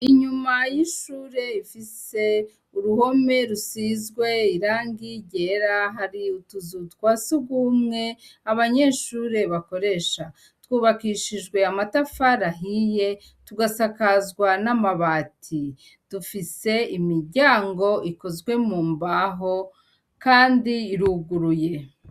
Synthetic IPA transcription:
iɲumajiʃuːɾe̞ifise̞ | uɾuho̞me̞ɾusizɡwe̞iɾaːŋɡiɟe̞ɾaɦaɾiutuzutkwaːsuɡumŋe̞aβaɲe̞ːʃuːɾe̞βako̞ɾe̞ʃa | twuːβakiʃiʒɡwe̞amatafaɾaɦije̞ | tuɡasakazɡwanamaβaːtʰi | d̥ufise̞imiɾɟaːŋɡo̞iko̞zɡwe̞muːmbaɦo̞ | kaːndiːɾuɡuɾuje̞

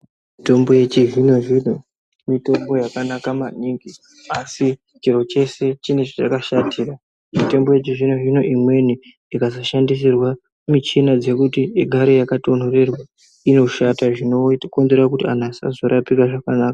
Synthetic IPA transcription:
mito̞mbo̞je̞t͡ʃivino̞ʐino | mito̞mbo̞jakanakamaɲiːŋɡi | asi | t͡ʃiɾo̞t͡ʃe̞se̞t͡ʃinet͡ʃat͡ʃakaʃatʰiːra | mite̞mbo̞je̞t͡ʃiʐino̞ɦino̞ʔimwe̞n̤i | ikazoʃandis̬irwa | mit͡ʃinad͡ze̞kutieɡʱaɾojakato̞n̤ore̞rwa | ino̞ʃataʐinoko̞nze̞rakutianasa̰zo̞ɾʔapikaʐakanaːka

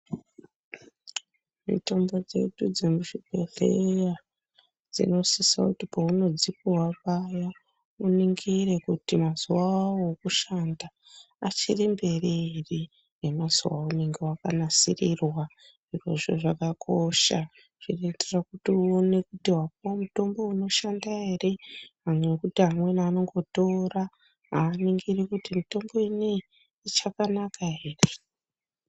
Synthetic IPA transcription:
mḭto̞mbo̞d͡ze̞̰ɗud͡ze̞muʃipe̞ɮeja | d͡zḭno̞sisa̰kutipouno̞d͡zipiwaʋaja | uniŋɡire̞kutimazuwawokuʃandaː | t͡ʃirimbe̞riri | ne̞maz̥uwa̰umeŋɡiwakanasirirwa | iʐe̞̰ʐo̞ʐakakʰoʃa | ʐ̥ire̞iterakutione̞kutiwap̚omuto̞mbo̞uno̞ʃandaɦe̞re̞ɦamwekutiɦamwe̞naːno̞ŋɡo̞to̞ra | ɦaːniŋɡirikutimito̞mbo̞ine | it͡ʃakanakaɦeːre

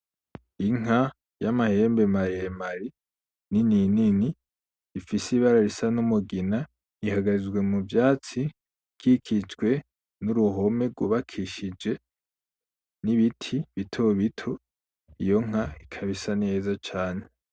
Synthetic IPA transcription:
iŋa | jamahe̞ːmbemaɾijemaɾi | nininini | ifisiβaɾaɾisanumuɡina | ihaɡaɾizɡwe̞muvjaːt͡si | kʰikʰit͡ʃɡwe̞ | nuɾuɦo̞me̞ɡwuβakʰiʃid͡ʒe̞ | niβitʰiβitʰoβitʰo | ijo̞ŋ̥aikʰaβisane̞ːzat͡ʃaːne̞

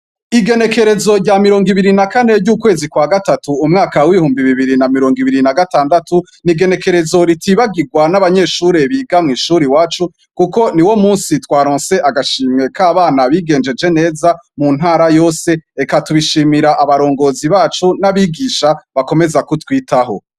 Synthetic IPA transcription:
iɡe̞ne̞ke̞ɾe̞zo̞ɾɟamiɾo̞ːŋɡiβiɾinakane̞ɾɟuːkwe̞ːzikwaɡatatuumŋaːkawiihuːmbiβiβiɾinamiɾo̞ːŋɡiβiɾinaɡataːndatu | niɡe̞ne̞ke̞ɾe̞zo̞ɾitiβaɡiɡwanaβaɲe̞ʃuːɾe̞βiːɡamŋiːʃuɾiwaːt͡ʃu | kuko̞niwo̞muːnsitwaːɾoːnse̞ʔaɡaʃiːmŋe̞kaːβaːnaβiːɡe̞ːnd͡ʒe̞d͡ʒe̞ne̞ːzamun̥ɦaːɾajo̞ːse̞ekatuβiʃiːmiɾaʔaβaɾo̞ːŋɡo̞ːziβaːt͡ʃunaβiɡiʃaβako̞me̞zakutwiːtaɦo̞

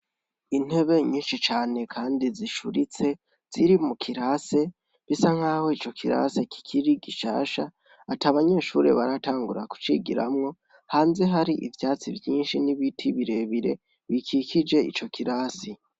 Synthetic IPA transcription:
in̥e̞βe̞ɲiːnʃit͡ʃaːne̞kʰaːndiziʃuɾit͡se̞ | z̥iɾimukʰiɾaːse̞ | βisaŋ̥haːho̞it͡ʃo̞kʰiɾa̰se̞ki̥kʰiɾiɡiʃa̰ːʃa | ataβaɲe̞ːʃṵːɾe̞̰βaɾataːŋɡuɾaku̥t͡ʃiɡḭɾa̰mŋo̞ | haːnze̞ɦaɾiʔḭvjaːt͡sivjiːnʃiniβitʰiβiɾe̞βiɾe̞̰ | βikʰikʰid͡ʒe̞ḭt͡ʃo̞kiɾaːsi

